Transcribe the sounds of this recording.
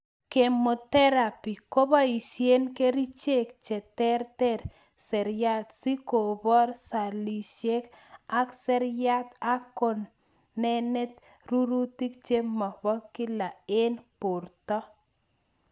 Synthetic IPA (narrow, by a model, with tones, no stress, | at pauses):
ke˨mo˨t̪ɛ˦ɾa˨pi˨ko˦ba˦i˨ʃje˦nke˦ɾi˦t͡ʃe˦k̚t͡ʃɛ˨t̪ɛ˦ɾtɛ˦ɾ | sɛ˨ɾja˦t̪si˦ko˨bɔ˦ɾsa˨li˨ʃe˦ka˦ksɛ˦ɾja˦t̪a˦kːo˨nː | ɛ˦nɛ˦t̪ | ru˦ɾu˦ti˦kt͡ʃe˦ma˨bɔ˦ki˦la˨e˦npo˨ɾtɔ˦